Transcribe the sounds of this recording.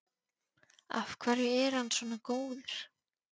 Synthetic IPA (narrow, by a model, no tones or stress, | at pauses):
a̰fkʰvaːɾjʏɛɾhanːsvɔːnakoːwðɪɾ̥